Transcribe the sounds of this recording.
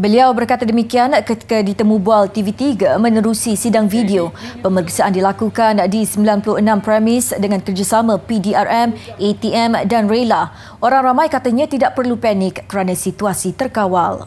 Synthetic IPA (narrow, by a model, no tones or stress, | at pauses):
bəliawbərkat̪adəmikiankət̪i̥kadit̪əmũbualt̪ivit̪iɡamə̃nəɾusisidaŋfidiopəməɾksaʔandilakukandisəmbilanpulʊhənãmpɾɛmɪsdəŋankərd͡ʒasamə̃pidiarʔɛmʔet̪iʔɛmdanrela | ʔoɾaŋramãjkat̪aɲãt̪idaʔ̚pərlupɛnɪkːəɾanãsit̪uasit̪ərkawal